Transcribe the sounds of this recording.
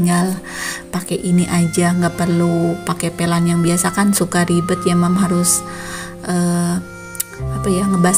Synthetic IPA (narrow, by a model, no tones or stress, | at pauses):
ŋal | pakeʔiniʔad͡ʒaŋɡapərlupakepelanjaŋbiasakansukaɾibʊt̪̚jamamɦaɾʊs | ʔə | apajaŋəba